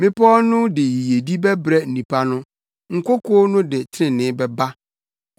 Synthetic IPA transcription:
mɪ̃˦pʰɔ˦nʊ̃˦dɪ˨ji˨je˨di˦bɛ˦bɾɛ˦n̩˨nĩ˨pʰa˦nʊ̃˦ | ŋ̩˨kʰo˦kʰɔː˦nʊ̃˦dɪ˨tʰɪ˦ɪ̃˨nɪ̃˦bɛ˨ba˦

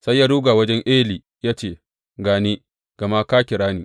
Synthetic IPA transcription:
sa˦jːaː˦ɽuː˦ɡaː˨wɐ˦d͡ʒɛ˦ŋʔeː˦liː˨ | jaː˦t͡ʃeː˦˨ | ɡaː˨ne˦ | ɡ̥ɐ˨ma˦kaː˦kʲɪ˨ɽaː˦niː˨

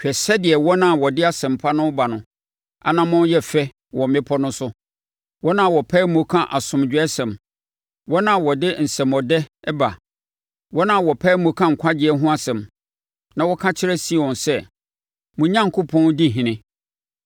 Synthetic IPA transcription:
t͡ɕᶣɛ˨sɛ˦dɪ˨ɛ˨wɔ˦nã˦˨wɔ˨dɪ˦a˦sɛ̃˨mpʰa˦nʊ̃˦ba˨nʊ̃˨ | a̰˨nã˦mʊ̃˦jɛ˦fɛ˦ | wɔ̃˨m̩˨mɪ̃˦pʰɔ˦nʊ̃˦sʊ˦ | wɔ˦nã˦˨wɔ˨pʰɛ˦mũ˨˦kʰã˦ʔa˨sʊ̃˨md͡ʑᶣɛ˦sɛ̃˨m | wɔ˦nã˦˨wɔ˨dɪ˦n̩˨sɛ̃˨mɔ˨dɛ˦ɛ˦ba˨ | wɔ˦nã˦˨wɔ˨pʰɛː˦mõ˨kʰã˦ŋ̩˨kʷʰa˦dɪ˨ɛ˦ɦʊ̃˦a˦sɛ̃˨m | nã˨wɔ˦kʰã˦t͡ɕʰɪ˦ɾɛ˦si˦˨wɔ̃˨nsɛ˦ | mʊ̃˨ɲã˦ŋ̩˨kʰʊ˦pʰɔ̃˦n˦di˦˨ɦĩ˨nɪ̃˦

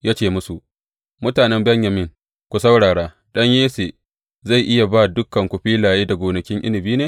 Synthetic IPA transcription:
jaː˦t͡ʃeː˦˨mʊ˦su˨ʔ | mʊ˦taː˨nɛ˦mbɛ˦ɲja˨mɪ˦˨ŋ | kʷu˨sɐ˦wɽaː˨ɽaː˦ | ɗɐ˦ɲjeː˦seː˨ | za˦˨jʔɪ˦ja˨baː˦dʊ˦kːɐ˨ŋkʷʊ˨ɸiː˦laː˨jeː˦da˨ɡʷoː˨nɐ˨kʲɪ˦ŋʔɪ˦lɪ˨biː˦neː˦

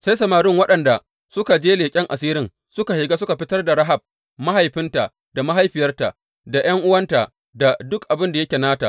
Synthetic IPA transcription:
sa˦jsɐ˨maː˨ɾɪ˦ŋwɐ˦ɗɐ˨nda˨ | sʊ˦ka˨d͡ʒeː˦leː˨kʲʼɛ˦ŋʔa˨siː˦ɾɪ˦ŋ | sʊ˦ka˨hɪ˨ɡaː˦sʊ˦ka˨ɸɪ˦tɐ˦rda˨ɽɐ˦ɦa˨b̚ | ma˦ɦa˨jɸɪ˦nta˨ | da˨ma˦ɦa˦jɸɪ˨jɐ˦rta˨ʔ | da˨j̰ɐ˦ŋʔʊ˦wɐ˦nta˨ | da˨dʊ˦kʔa˨bɪ˦nda˨jɐ˦kʲe˨naː˦ta˨

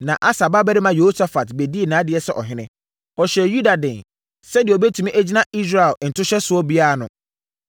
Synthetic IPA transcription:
nã˨ʔa˦sa˨ba˦bɛ˦ɾɪ˦mã˨jo˨ho˦sa˦fa˨tbe˨di˦e˨nãː˨˦dɪ˨˦ɛ˨sɛ˦ʔɔ̰˨ɦɪ̃˦nɪ̰̃˦ | ɔ˨ɕɛ˨ju˦da˨dɪ̃˨n | sɛ˦dɪ˨ɔ˨bɛ˦tʰu˨mĩ˦ʔæ˦d͡ʑi˦nã˦i˦s̬ɾa˨ɛ˨n̩˨tʰʊ˦ɕɛ˦sʊ˨ɔ˦bi˦a˦a˨nʊ̃˨

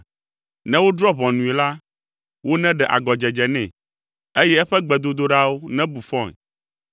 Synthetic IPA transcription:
nɛ̃˦wo˦d̪ɾɔ˦βɔ̃˨nũ˨ɛ˨la˦ | wo˦nɛ̃˦ɖɛ˨ʔa̰˨ɡɔ˨d͡ʒɛ˨d͡ʒɛ˨nɛ̃˨ | e˦jɛ˦ɛ˦ɸɛ˦ɡ͡bɛ˨d̪o˦d̪o˦ɖa˦wo˦nɛ̃˦bu˨fɔ̃˦˨ŋ˨

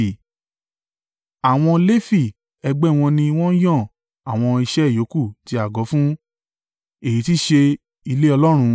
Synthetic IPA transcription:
a˨w̃ɔ̃˧le˦fi˦˨ | ɛ˧ɡ͡bɛ˦˨w̃ɔ̃˧nĩ˧w̃ɔ̃˦jɔ̃˦˨ | a˨w̃ɔ̃˧i˧ʃɛ˦˨jo˨˦ku˦˨ti˧˦a˨ɡɔ˨˦fũ˦ | e˦˨ji˨ti˦ʃe˧ | i˧le˦ɔ˧lɔ˦ɾ̃ũ˧

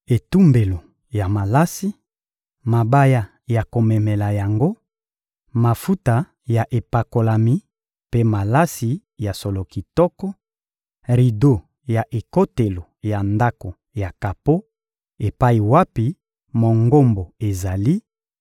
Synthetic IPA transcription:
e˨tu˦mbe˨lo˨ | ja˨ma˨la˦si˦ | ma˨ba˦ja˦ | ja˨ko˨mɛ˨mɛ˨la˨ja˨ŋɡo˦ | ma˨fu˦ta˨ | ja˨ʔe˨pa˨ko˨la˨mi˦ | pe˦ma˨la˦si˨ | ja˨so˨lo˨ki˨tɔ˦kɔ˦ | ʁi˨do˦ | ja˨ʔe˨ko˦te˨lo˨ja˨nda˦ko˨ | ja˨ka˨po˦ | e˨pa˦i˨wa˦pi˨ | mo˨ŋɡo˦mbo˨e˨za˨li˦

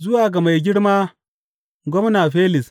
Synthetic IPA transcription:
zʊ˦waː˨ɡɐ˨ma˨jɡʲɪ˦ɽmaː˦ | ɡʷɔ˦mnaː˨ɸeː˦lɪ˨s

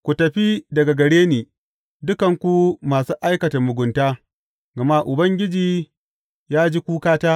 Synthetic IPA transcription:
kʷu˨tɐ˨ɸi˦dɐ˨ɡa˨ɡɐ˨ɽeː˦niː˨ | dʊ˦kɐ˨ŋkʷu˦maː˨suː˦ʔa˦jkɐ˨ta˨mʊ˨ɡʷʊ˨ntaː˦ | ɡɐ˨ma˦ʔʊ˨bɐ˦ŋɡʲɪ˦d͡ʒiː˦˨ | jaː˦d͡ʒi˦kʷuː˦kaː˦taː˦

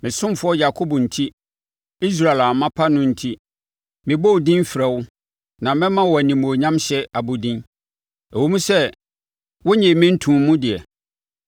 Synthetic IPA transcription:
mɪ̃˨sʊ̃˦mfʊ˦ɔ˦ja˨kʰo˦bɔ˨n̩˨tʰi˦ | i˦s̬ɾa˨e˨la˨mã˦pʰa˦nʊ̃˦n̩˨tʰi˦ | mɪ̃˨bo˦wdĩ˦m˦fi˨ɾɛ˨wʊ˦ | nã˨mɛ̃˦mã˦wɔ˨æ˨nĩ˨mũ˨o˨ɲã˦mɕɛ˦a˨bʊ˨dĩ˦n | ɛ˨wo˦mũ˦sɛ˦ | wɔ˦ɲɛ̃˨mɪ̃˦n̩˦tʰũ˨˦mũ˦dɪ˨ɛ˨

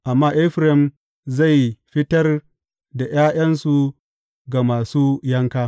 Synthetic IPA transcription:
ʔa˨mːaː˦ʔɪ˦ɸɾɛ˨m | za˦˨jɸɪ˦tɐ˦r | da˨j̰aː˦j̰ɐ˦nsu˨ | ɡa˨maː˨suː˦jɐ˦ŋkaː˦

